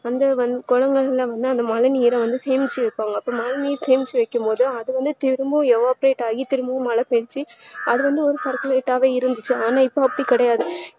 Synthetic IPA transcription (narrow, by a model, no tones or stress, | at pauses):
ɐnd̪ɐʋɐnd̪ɯkɔɻɐŋɡɐɭlãʋɐnd̪ɯɐnd̪ɐmɐlɐniːɾɐʋɐnd̪ɯsɛjɐmɪt͡ʃːɯʋɐɪpːaːŋɡɐːpːoːmɐlɐniːɾseːmɪt͡ʃːɯʋɐɪkːɯmpoːðɯɐðɯʋɐnd̪ɯt̪ɪɾɯmbɯɛʋaːpɾeːʈːaːɣit̪ɪɾɯmbɯmɐlɐpɛnt͡ʃːiɐðɯʋɐnd̪ɯɔɾɯsɐɾkɐleːʈːaːʋeːɪɾɯnd̪ɯt͡ʃːɯaːnaːɪpːoːɐpːɐɽikɪɽɐjaːðɯ